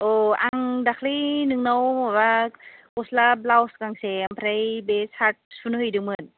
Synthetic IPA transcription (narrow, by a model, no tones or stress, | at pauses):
ʔoʔaŋdakʰlinɯŋnowawakoslablawskaŋseampʰɾajbesat̚sunhɯjdɯŋmɯn